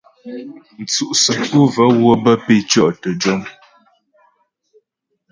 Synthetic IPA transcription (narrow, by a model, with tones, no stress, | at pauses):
n̩˨t͡su˦ʔsə˨ku˦və˨˦ɣwə˦˨bə˦pe˦˨t͡ʃɔ˦ʔtə˨d͡ʒɔ˦ŋ